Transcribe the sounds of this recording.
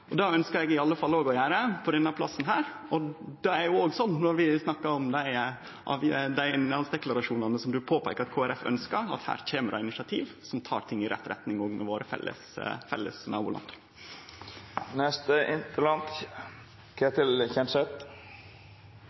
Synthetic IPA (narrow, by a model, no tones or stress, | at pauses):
ʔɔd̪ɑːœnskəɾɛɡɪɑlːəfɑlːoːɡɔjæːɾəpʰɔd̪ɛnːəpʰlɑsːnɦæːɾ | ɔd̪ɛæɾjʊoːɡsɔnːnɔɾʋɪsnɑkːɑɾɔmd̪æɪ | ʔɑ̰ːʋd̪æɪɪnɑlsd̪ɛklɑɾɑʂuːnɑnəsɔmd̪ʉpʰoːpʰæɪkɑt̪kʰoːæɾɛfœ̰nskəɾɑ̰t̪hæ̰ːɾc͡çʰeːməɾʔɑ̰ɪnɪʂɑt̪ʰḭːʋsɔmt̪ʰɑ̰ːɾt̪ʰɪŋːɪɾʔɛ̰t̪ːɾɛ̰t̪nɪŋɔːɡmɛ̰ʋoːɾəfɛ̰lːə̰sfɛ̰lːə̰snɑːbʊːlɑ̰nd̪ | nɛst̪əɪnt̪əlɑnt̪ | kʰet̪ɪlçɛnsɛt̪